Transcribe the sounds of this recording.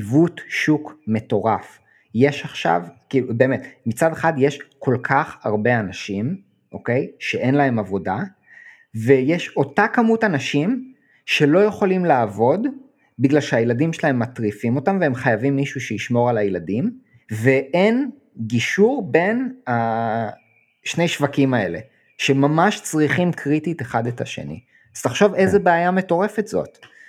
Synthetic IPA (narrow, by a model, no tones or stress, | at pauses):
vutʃukme̞to̞ʁaf | je̞ʃaχʃa̰vkiːlube̞ːmetmit͡sade̞χadjeʃkʰo̞lkʰaχhaʁbe̞anaʃim | ʔoke̞jʃe̞ʔe̞nlaɦe̞mavo̞da | vejeʃo̞takamutanaʃim | ʃe̞lo̞jeχo̞limlaːvo̞d | biɡlalʃeajeladimʃelae̞mːatʁifimo̞tamveemχajavimːiʃuʃejiʃmo̞ʁalajeladim | veʔen | ɡiʃuʁbe̞na | ʃne̞jʃvakimae̞̰le̞̰ | ʃe̞mamaʃt͡sʁiχimkʰʁitite̞χadeta̰ʃe̞̰nḭ | az̥taχʃo̞vejzebeajameto̞ʁe̞fetz̥o̞̰t